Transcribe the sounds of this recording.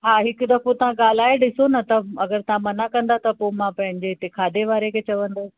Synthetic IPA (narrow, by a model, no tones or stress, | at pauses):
ɦaːɦɪkd̪ɐfot̪ɐʋ̤ãɡaːl̤aːeɗɪsonɐt̪ɐɐɡəɾt̪ɐɦãmɐnakɐ̃nd̪at̪ɐpomãpɐ̃ɦɪ̃ɲd͡ʑeɪt̪ekʰaːd̪eʋaːɾekʰet͡ɕɐʋə̃nd̪oː